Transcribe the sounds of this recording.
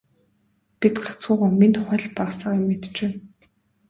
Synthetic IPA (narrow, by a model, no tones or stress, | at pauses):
pit̪ɢḁt͡sʊːʁʊ̆ːminχɔɮʲpasə̆ŋʊmːet̪t͡ɕpæːn